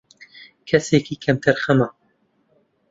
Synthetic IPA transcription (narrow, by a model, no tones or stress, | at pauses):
kʰɛseːkiːkʰɛmt̪ʰɨɾxɐmaː